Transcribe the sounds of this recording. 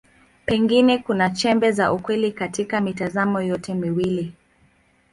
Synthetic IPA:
pɛŋɡinɛkunat͡ʃɛmbɛzaʔukwɛlikatikamitazamɔjɔtɛmiwili

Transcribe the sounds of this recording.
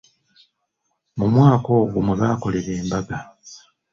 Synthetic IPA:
mumwaːko̞ːɡumweβaːko̞le̞ɾe̞ːmbaɡa

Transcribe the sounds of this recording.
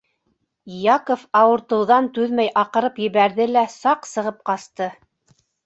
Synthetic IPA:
jɑkofɑwɤ̆ɾt̪ɤ̆wðɑnt̪ʉðmæjʔɑqɤ̆ɾɤpjɘ̆βæɾðɘlæsɑqsɤ̆ʁɤp̚qɑst̪ɤ

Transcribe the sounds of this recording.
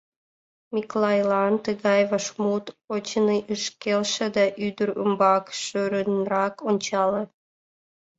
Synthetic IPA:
miklɑjlɑnt̪əɣɑjvɑʃmut̪ot͡ɕəniʔəʃkelʃĕd̪ɑʔyd̪əɾə̰mbɑkʃøɾənrɑkonʲt͡ɕɑle

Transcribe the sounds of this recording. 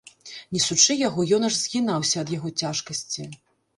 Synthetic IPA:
nʲisut͡ʂɨjaɣɔjɔnɐʐzʲɣʲinawsʲɐɐd̪jaɣɔt͡sʲaʂkɐsʲt͡sʲi

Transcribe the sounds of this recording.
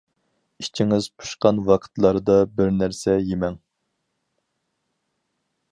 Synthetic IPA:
it͡ʃʰiŋɪzpʰu̥ʃqɑnwɑqʰə̥t̪lˠɑɾɨd̪ɑbɪɾnæɾsɛjemɛŋ

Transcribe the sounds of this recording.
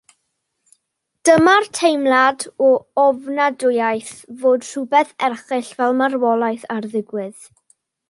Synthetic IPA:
d̥əmartʰejmlˠadɔɔvnadʊjajθvoːd̥r̥ʊbɛθɛrχɨɬvɛlˠmarwɔlˠajθarðɪɡwɪð̥

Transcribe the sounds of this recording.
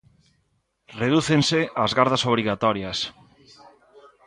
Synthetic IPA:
reðuθẽnseazɣaɾðasoβɾiɣat̪ɔɾjas

